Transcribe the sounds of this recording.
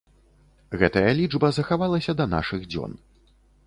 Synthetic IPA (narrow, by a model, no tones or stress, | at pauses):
ɣɛt̪ɐjɐlʲid͡ʐbɐzɐxavalˠɐsʲɐd̪ɐna̰ʂɨɣd͡zʲɔ̰n